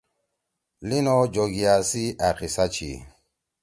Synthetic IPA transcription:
linɔd͡ʒoɡiasiʔakisat͡ʃḭ

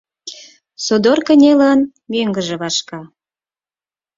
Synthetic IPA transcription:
sod̪orkə̆nʲelən | møŋɡə̆ʒĕβɑʃkɑ

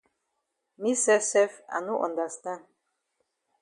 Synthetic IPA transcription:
misɛsɛfa̰nuʔɔ̰nd̪ast̪a

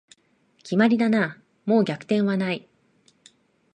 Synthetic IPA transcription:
kʲimaɾʲid̪anaː | mo̞ːɡʲakɯ̟̥t̪ẽ̞ɰ̃βanai

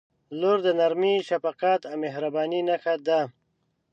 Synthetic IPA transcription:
luɾd̪ənaɾmiʃafaqɑt̪awmeɦɾabɑːninaxad̪a

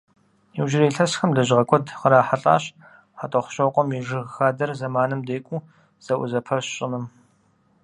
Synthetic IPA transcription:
iwʒɪɾiːɬɐsxɐmdɐʒɪʁɐkʷʰʼɔdqəɾaːħaɬʼa̰ːɕ | ħatʼɐχʷɕɐwqʷʼɔmiʐɨɣxaːdɐrzɐmaːnɨmdeːjkʷʼu | z̥ɐʔʷʊzɐpʰɐɕɕʼɪnɨm

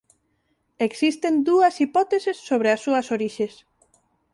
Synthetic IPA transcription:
eksist̪end̪uɐsipɔt̪esesːoβ̞ɾeasːuɐsoɾiʃes

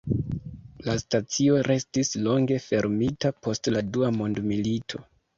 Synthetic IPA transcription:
lastat͡sio̞ɾʔe̞stislo̞ŋɡe̞fe̞ɾmitapo̞stladuamo̞ndmilitʰo̞̰

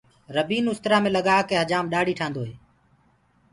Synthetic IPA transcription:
ɾəbiːnʊst̪ɾaːmẽːləɠaːkeːɦəd͡ʒaːmɗaːɽ̤iːʈʰãːnd̪oːɦeː

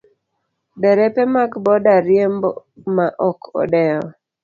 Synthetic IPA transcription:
bɛɾɛpɛmakbɔdaɾjembmaʔɔkʰɔ̰dɛjɔ

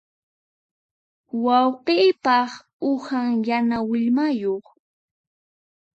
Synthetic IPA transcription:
wɑwqiːpɑχ | ʊhaŋjanawɪʎmajoχ

